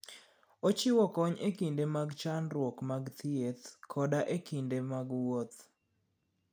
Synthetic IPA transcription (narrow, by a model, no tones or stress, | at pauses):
ot͡ʃɪwɔkɔɲekindemaɡt͡ʃanɾwɔkmaɡt̪ʰiet̪kʰɔdaʔekindemaɡwot̪